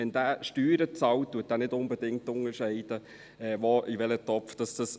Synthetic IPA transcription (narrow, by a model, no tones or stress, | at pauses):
ɛnd̥æːʃtyːɾət͡sɑwt̚d̥uət̚d̥ænɪdʊnbədɪŋtʊŋəɾʃɛɪd̥ə | ɛːʋoʔiʋɛlətɔpfd̥ɑsd̥ɑs